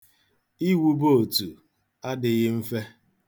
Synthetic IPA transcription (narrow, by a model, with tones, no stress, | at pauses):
i˦wu˦bo˦˨o˨tu˨ | a˦dɪ˨ɣɪ˦m̩˦fe˦